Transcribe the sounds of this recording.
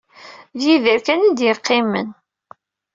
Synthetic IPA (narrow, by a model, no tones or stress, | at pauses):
ðjiðəɾkænid̪jəqːɪmːə̰n